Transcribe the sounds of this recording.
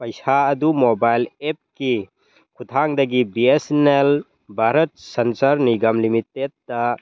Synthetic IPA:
pɐjsaɐdumobajlep̚ki | kʰut̪ʰaŋdɐɡibiesnel | bʱaɾɐt̚sɐnsɐɾniɡɐmlimitːed̚ːɐ

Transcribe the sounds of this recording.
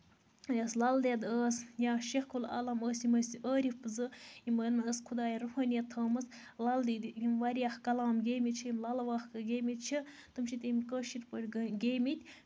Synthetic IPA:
jɐslɐld̪ed̪əːsjaːʃexkʰula̰lɐməːsimɐsʔəːɾifpɨzɨimənəskʰud̪ɑːjiɾuɦəːnʲɐt̪ʰəːmɨs | lald̪id̪imʋaɾijaxkɐlaːmɡemit͡ʃʰiimlɐlɐʋaːxkɨɡʲeːmit̪̚t͡ʃʰi | t̪ɨmt͡ʃʰit̪imʲikəːʃiɾpəlʲɡɡeːmit̪ʲ

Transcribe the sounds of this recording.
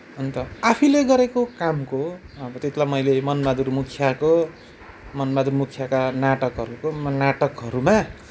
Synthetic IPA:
ʌnt̪ʌapʰileɡʌɾekokamkoʌbʌt̪et̪ʰlamʌjlemʌnmad̪urmukʰjako | mʌnbad̪urmukʰjakanaʈʌkɦʌɾukomʌnaʈʌkɦʌɾuma

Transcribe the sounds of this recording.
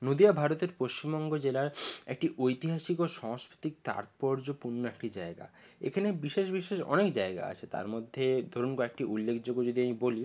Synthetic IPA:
nod̪iabʱaɾot̪eɾpoʃt͡ɕimbɔŋɡod͡ʑelaɾek̚ʈiʔojt̪iɦaʃikoʃɔŋskɾit̪ik̚t̪a̰ɾt̪pɔɾd͡ʑopuɾnoekʈid͡ʑaeɡa̰ | ḛkʰanebiʃeʃbiʃeʃɔ̰nekd͡ʑaeɡa̰a̰t͡ɕʰet̪a̰ɾmod̪ʱːed̪ʱoɾunkɔek̚ʈiʔulːekʰd͡ʑoɡːod͡ʑod̪iamiboli

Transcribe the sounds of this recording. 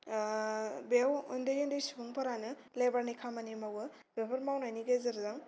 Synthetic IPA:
bewɯndɯjɯndɯjsibuŋpʰaɾanɯ | lebaɾnikʰamanimawɯ | bebɐɾmawnajniɡezɯɾzaŋ

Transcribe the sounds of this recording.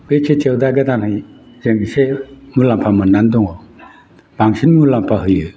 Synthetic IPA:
b̥et͡ʃʰet͡ʃewdaɡadanhaj | zeŋsemulampʰamɯnːandɔŋɔ | b̥aŋsinmulampʰaɦɯjɯ

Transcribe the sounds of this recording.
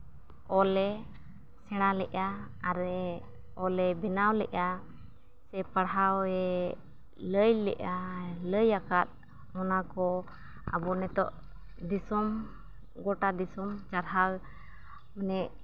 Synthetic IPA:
ɔlɛ | sɛɽ̃alɛʔaːɾɛ | ɔlɛbɛnawlɛ̰ʔa | sɛpaɽɦawɛ | ləjlɛ̰ʔaləjakat̪̚ | mɔnakɔ | a̰bɔnɛt̪ɔ̰ʔ | d̪isɔm | ɡɔʈad̪isɔmt͡ʃaɾɦal | manɛʔ

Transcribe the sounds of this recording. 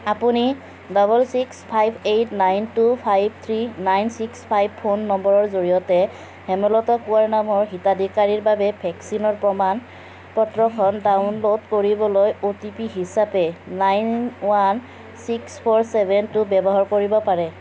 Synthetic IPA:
apuni | dɔbɔlsikspʰajbʱejtnajntupʰajbt̪ʰɹinajnsikspʰajb̚pʰonːɔmbɔɹɔɹzoɹijɔtɛ | hɛmɛlɔtɔkuwaɹnamɔɹɦitadikaɹiɹbabɛbʰʱɛksinɔɹpɹɔman | pɔtɹɔkʰɔndawnlodkoɹibɔlojotipiɦisapɛnajnwan | sikspʰoɹsɛbʱɛntʊbɛbɔɦaɹkoɹibɔpaɹɛ

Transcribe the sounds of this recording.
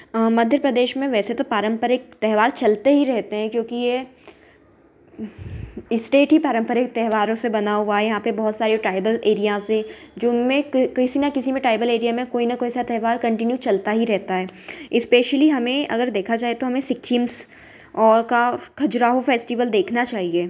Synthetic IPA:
mɐd̪ʱjəɾpɾɐd̪eːʃmẽʋɛːset̪opaːɾə̃mpəɾɪk̚t̪ɛɦʋaːɾt͡ʃɐlt̪eɦiɾɛɦt̪eɦɛ̃kjõːkije | ɪsʈeːʈɦipaːɾə̃mpəɾɪk̚t̪ɛɦʋaːɾõsebɐnaːuajɐɦãːpebɔɦʊt̪saːɾioʈɾaːɪbəleːɾijase | d͡ʒʊnmẽkkɐɪsinɐkɪsimẽʈɾaːɪbəleːɾijamẽkoːinɐkoːisat̪ɛɦʋaːɾkɐ̃ɳʈɪnjut͡ʃɐlt̪aɦiɾɛɦt̪aɦɛːɪspeːʃəliɦɐmẽʔɐ̰ɡəɾd̪eːkʰad͡ʒaːɦiet̪oɦɐmẽsɪk̚t͡ʃʰims | ɔːɾkakʰɐd͡ʒɾaːɦofeːsʈiʋəld̪eːkʰnat͡ʃaːɦieː

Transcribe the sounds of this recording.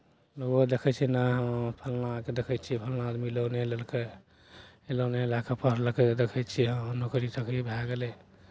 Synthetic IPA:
nod̪ekʰɛt͡ʃʰinaɦə̃pʰəlnaked̪ekʰɛt͡ʃʰipʰəlnaːd̪milonelelke | eloneelakapʰəɦɾlked̪ekʰɛt͡ʃʰiɦə̃nokɾisəkʰɾibʱaɡelɛ

